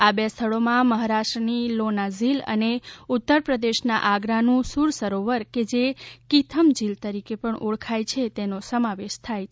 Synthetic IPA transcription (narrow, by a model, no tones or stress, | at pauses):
abjast̪ʰəɭomãməɦaɾaʃʈɾənilonazilə̰neut̪ːəɾpɾəd̪eʃna̰ʔaɡɾanũsuɾsəɾoʋəɾked͡ʒekit̪ʰəmd͡ʒilt̪əɾikepəɳʔoɭkʰajt͡ʃʰet̪enosəmaʋeʃt̪ʰaj